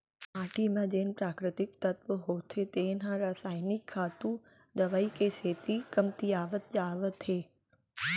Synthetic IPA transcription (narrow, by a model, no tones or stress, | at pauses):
aːʈimãd͡ʒeːnpɾaːkɾɪt̪ɪkt̪ət̪ʋəɦot̪ʰet̪eːnãɾaːsaːjnɪkʰːaːt̪ũ | d̪əʋaikeseːt̪ikəmt̪iaːʋət̪̚d͡ʒaːʋət̪ɦeː